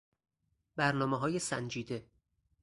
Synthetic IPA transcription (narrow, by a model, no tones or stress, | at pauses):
bæɾnɒːmeɦɒːjesæ̰nd͡ʒiːd̪e̞